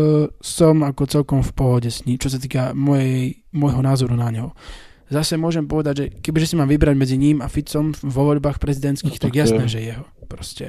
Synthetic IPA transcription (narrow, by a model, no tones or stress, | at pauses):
sɔmakɔt͡sɛlkɔmfpɔɦɔɟɛsɲiːmt͡ʃɔs̬at̪̬iːkamɔjɛj | mɔjɦɔnaːzɔɾunaɲɔʊ | zasɛmʊɔʒɛmpɔʋɛd̪aɟʒɛkɛbiʒɛsimaːmʋibɾaɟmɛd͡ziɲimafit͡sɔmʋɔʋɔʎbaːxpɾɛzid̪ɛnt̪skiːxt̪aɡjasnɛːʒɛjɛɦɔpɾɔscɛ̰